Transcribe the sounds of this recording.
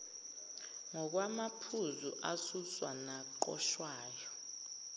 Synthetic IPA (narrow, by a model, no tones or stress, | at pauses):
ŋɔk̬wamapʰuzuʔasuswanaǃɔ̰ʃwaːjɔ